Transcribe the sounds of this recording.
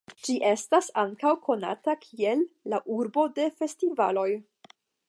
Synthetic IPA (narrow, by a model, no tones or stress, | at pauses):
d͡ʒiʔe̞stasaŋkawkʰo̞na̰takʰie̞lːaʔuɾbo̞de̞fe̞stivalo̞j